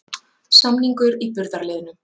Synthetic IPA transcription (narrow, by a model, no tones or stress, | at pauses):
samniŋkʏɾipʏɾðaɾlɛːðʏnʏ